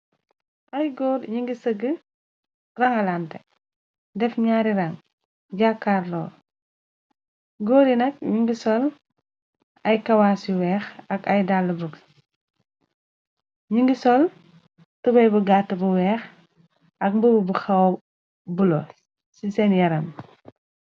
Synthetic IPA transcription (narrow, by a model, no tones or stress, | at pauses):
ʔɐjɡɔːɾɲiŋɡisəɡə | rɐŋɐlantɛ | dɛfɲaːɾiɾɐŋ | ɟakːaɾlɔːɾ | ɡɔːɾinɐk̚ɲiŋɡisɔl | ɐjkɐwasiwɛːxɐkɐjdalːɐbuɡ | ɲiŋɡisɔl | tubɐjbuɡaːtːɐbuwɛːx | ɐk̚mbububuxɐw | bulɔː | sisɛnjɐɾɐm